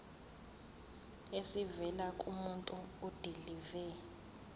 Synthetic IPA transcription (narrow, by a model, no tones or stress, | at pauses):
esivɛlakʼumuntʼuud̥ʱilivɛ